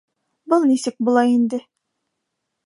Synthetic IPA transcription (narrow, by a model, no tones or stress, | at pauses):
bʊlˠnisɘk̚bulˠɑind̪ɪ